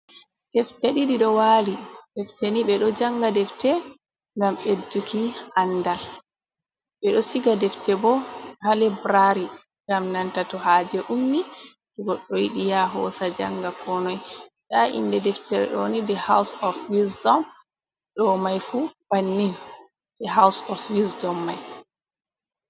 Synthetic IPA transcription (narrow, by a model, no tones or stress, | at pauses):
d̥ɛfteɗiɗiɗɔwalid̥ɛfteniɓɛɗɔd͡ʒaŋɡadɛftɛ | ŋɡamedːukʰianːdal | ɓɛɗɔsiɡadɛftʰɛbɔhalɛbɾaɾi | ŋɡamnantatɔhaːd͡ʒɛʔumːi | ɗuɡɔɗːɔwiɗijaɦɔ̰sad͡ʒaŋɡakʰɔnɔj | ɗaʔḭndɛdɛftɛɾɛ̰ɗɔnidɛhawsɔfwisdɔm | ɗɔmajfub̥anːin | d̥ɛɦawsɔfwisdɔmːaj